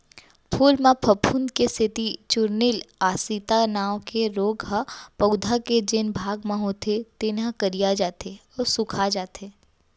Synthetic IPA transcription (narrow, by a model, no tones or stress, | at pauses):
pʰuːlmãpʰɐpʰund̪kest̪ʰɪt̪it͡ʃʊɾnɪlaːsit̪anaːwkeɾoːɡɦapəwd̪ʱaked͡ʒɪnbʱaːɡməɦõt̪ʰet̪ɪnãkəɾijad͡ʒaːt̪eɔːɾsʊkʰad͡ʒaːt̪ʰeː